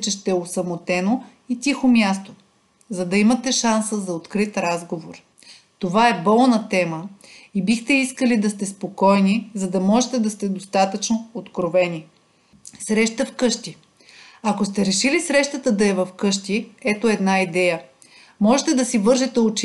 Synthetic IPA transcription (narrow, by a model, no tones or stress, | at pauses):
t͡ʃɛʃt̪ɛosɐmot̪ɛno | it̪ixomʲjast̪o̥ | zɐd̪ɐimɐt̪ɛʃansəzɐot̪kɾit̪ɾazɡovoɾ | t̪ovaɛbɔlˠnɐt̪ɛməibixt̪ɛiskəlid̪ɐst̪ɛspokɔjnizɐd̪ɐmɔʒɛt̪ɛd̪ɐst̪ɛd̪ost̪at̪ət͡ʃnoot̪kɾovɛni | sɾɛʃt̪əfkɤʃt̪i | ɐkost̪ɛɾɛʃilisɾɛʃt̪ət̪əd̪ɐɛvɐfkɤʃt̪iɛt̪oɛd̪naid̪ɛjə | mɔʒɛt̪ɛd̪ɐsivɤɾʒɛt̪ɛot͡ʃ